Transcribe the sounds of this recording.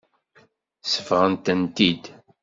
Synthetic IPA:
sə̥fʁənt̪ənt̪id̪

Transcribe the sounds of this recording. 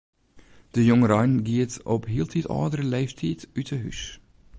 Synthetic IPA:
d̥əjʊŋəɾɑjnɡiətɔpɦiəlˠtʰitɑ̰ːdəɾəleːftʰiːtytʰəɦy̰s

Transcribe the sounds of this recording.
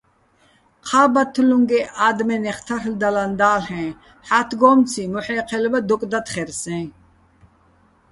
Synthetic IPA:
qʰaːbat̪ʰluŋɡɛʔaːd̪mɛnɛχt̪ʰaɾld̪aland̪aːɬɛ̃ː | ħat̪ʰɡɔːmt͡sʰimɔħɛːqʰɛlbad̪ɔkʼd̪at̪χɛɾsɛ̃ː

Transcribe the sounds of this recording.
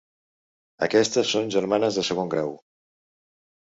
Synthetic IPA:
ə̰kɛst̪əsːonʲʒəɾmanəzðəsəɣ̞oŋɡɾaw

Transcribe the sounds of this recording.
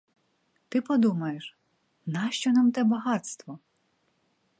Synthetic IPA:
t̪ɪpɔd̪umɐjeʃ | nɑʃt͡ʃɔnɑmt̪ɛbɐɦɑt̪st̪ʋɔ

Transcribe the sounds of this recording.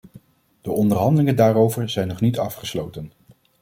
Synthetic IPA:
d̥əʔɔndəɹɦɑndəlɪŋəndaːɾowvəɹzɛjnɔχnitɑfχəslowtən

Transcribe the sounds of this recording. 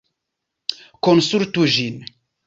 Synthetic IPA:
konsuɾt̪uʒin

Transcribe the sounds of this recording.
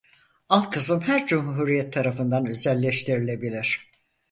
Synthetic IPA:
alˠkʰɯzɯmhæɾd͡ʒumhɦuɾijɛt̪ʰːaɾafɯnd̪anø̞zɛlʲːɛʃt̪ʰiɾilʲe̞bilʲiɾ̥

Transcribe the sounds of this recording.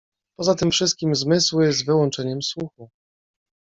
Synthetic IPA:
pɔzat̪ɘmfʂɘst̪̚kʲimzmɘswjɛs̬t̪vɘwɔnt͡ʂɛɲɛmswuxu

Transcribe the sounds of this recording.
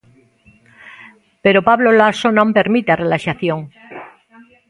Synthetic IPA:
peɾopaβlolasonõmpe̞ɾmit̪earelaʃaθjõŋ

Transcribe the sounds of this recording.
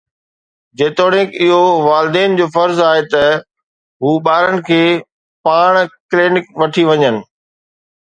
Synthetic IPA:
d͡ʑeːt̪oːɽɪ̃kɪɦoʋaːlɪd̪eːnd͡ʑoːfɐɾzaːɦet̪ɐ | ɦuːɓaːɾənɪ̆kʰeː | paːɽ̃kleːnɪkʋɐʈʰiʋɐɲənɪ̆

